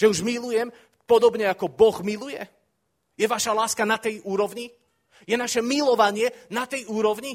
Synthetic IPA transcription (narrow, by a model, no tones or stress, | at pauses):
ʒɛuʒmilujɛm | pɔd̪ɔbɲɛakɔbɔɣmilujɛ | jɛʋaʃalaːskanat̪ɛjuːɾɔʋɲi | jɛnaʃɛmilɔʋaɲɪɛnat̪ɛjuːɾɔʋɲi